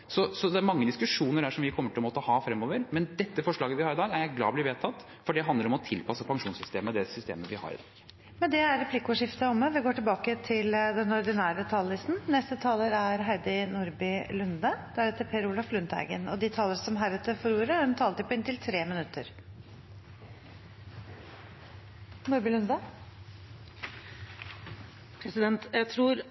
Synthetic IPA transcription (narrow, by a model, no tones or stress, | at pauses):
sɔsɔd̪ɛæɾmɑŋːəd̪ɪskʉʂuːnəɖæːʂɔmʋɪkʰɔmːəʈɪlɔmoːt̪əɔhɑːfɾɛmːɔːʋəɾmɛnd̪ɛt̪ːəfɔʂɭɑːɡəʋɪhɑːɾɪd̪ɑːɡæɾjæɡlɑ̰ːblɪʋeːt̪ʰɑt̪ː | fɔɖɛɦɑnd̪ləɾɔmɔt̪ʰɪlpʰɑsːəpʰɑŋʂuːnsʏst̪eːməd̪ɛsʏst̪ḛːməʋɪhɑ̰ɾɪ̰d̪ɑ̰ːɡ̥ | mɛnd̪ɛæɾɾɛpʰlɪkʊʂɪft̪əɔmːəʋɪɡoːʈɪlbɑːkət̪ʰɪld̪ɛnɔɖ̪ɪnæːɾət̪ʰɑːllɪst̪n̩nɛst̪ət̪ʰɑːləɾæɾɦæɾɖ̪ɪnʊɾbɪlʉnd̪ɑd̪̥æɾɛːt̪əpʰeɾuːlɑflʉnt̪æ̰ɡə̰nɔ̰d̪ɪt̪ʰɑːləɾsɔmɦæɾʉːt̪əfɔɾuːɾəd̪ɛnt̪ʰɑːlət̪ɪpʰɔɪnt̪ɪlt̪ʰɾeːmɪnʉt̪ʰːəɾ | nʊːɾbɪlʉnd̪ɑ | pʰɾɛsɪd̪ɛnt̪jæt̪ʰɾuːɾ